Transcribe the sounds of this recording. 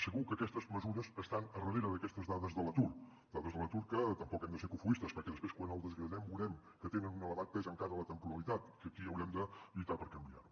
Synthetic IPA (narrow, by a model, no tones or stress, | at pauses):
səɣukəːkɛst̪əzməzuɾəsəst̪anərəðeɾəðəkɛst̪əzðaðəzðələt̪ur | d̪̥aðəzðələt̪uɾkət̪əmpɔkɛmd̪əseɾkufuist̪əspəɾkɛðəspɾeskwanəlˠd̪əzɣɾəðɛmbuɾɛm | kət̪enənunələβat̪̚t̪ezəŋkaɾələt̪əmpuɾəlˠit̪at̪kəkiəwɾɛmd̪əlit̪apəɾkəmbia̰ɾu